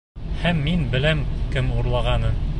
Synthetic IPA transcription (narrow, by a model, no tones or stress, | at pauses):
hæmːinbɘ̆læmkɘmuɾlˠɑʁɑnɤm